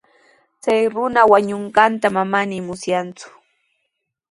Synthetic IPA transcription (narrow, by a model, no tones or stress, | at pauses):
t͡sajɾʊnawaɲoɴɢɑnt̪amamanɪmʊsjant͡sʊ̥